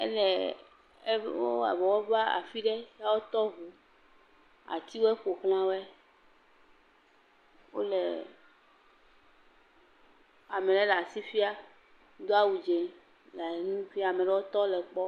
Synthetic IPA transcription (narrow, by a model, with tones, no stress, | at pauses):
ɛ̰˦lɛ˨˦ | wo˦a̰˨vɔ˨wɔ˦va˦a̰˨fi˦ɖe˦ja˦wo˦t̪ɔ˦ɦu˨ | a̰˨t̪i˦wo˦e˦ɸo˨xl̃ã˦wo˦ɛ˦ | wo̰˦le˨ | a˨mɛ˨le˦la˨si˦fi˦a˦ | d̪o˦a˦wu˨d͡ʒe˨ | la˨e˨nũ˦fi˦a˦˨a˨mɛ̃˨ɖɛ˦wo˦t̪ɔ˦lɛ˨k͡pɔ˦